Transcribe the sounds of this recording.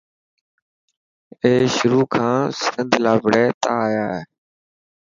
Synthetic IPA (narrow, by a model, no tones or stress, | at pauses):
eːʃʊɾuːkʰãːsɪnd̪ʱlaːbʱɪɽɛːt̪aːjaːɦeː